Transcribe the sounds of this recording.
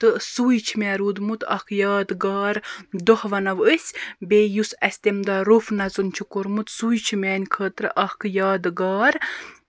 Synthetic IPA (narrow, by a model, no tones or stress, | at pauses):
t̪ɨsuːjt͡ʃʰimʲɛːɾuːd̪mut̪ʰɐ̰hkʰjaːd̪ɡaːɾd̪ohʋɐnɐʋəsʲbeːjusɐsʲt̪emd̪aɾufnɐzunt͡ʃʰukoɾmut̪sujt͡ʃʰimʲɛːnʲkʰəːt̪ɾɨ̰ʔɐhkʰjaːd̪ɨɡaːɾ